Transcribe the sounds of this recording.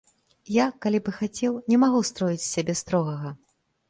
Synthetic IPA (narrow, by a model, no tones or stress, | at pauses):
jakalʲibɨxat͡sʲɛwnʲɛmaɣust̪ɾɔjit͡sʲsʲabʲɛst̪ɾɔɣɐɣɐ